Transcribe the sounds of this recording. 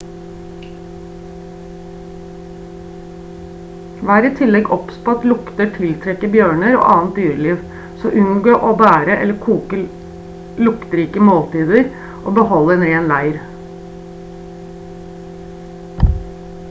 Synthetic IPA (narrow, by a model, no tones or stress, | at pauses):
ʋæːɾiːt̪ʰɪlɛɡɔpspɑt̪lʊkt̪əʈʰɪlt̪ʰɾɛkəbjøːɳəɾo̰ːʔɑːn̩t̪̚d̪yːɾəliːʋ | soːʔʉnɡoːʔoːbæːɾəʔɛ̰lːəkʰuːkə | lʊkt̪əɾiːkəmoːlt̪iːd̪əɾ | ʔo̰ːbəhɔlːəɛnɾeːnlæɪɾ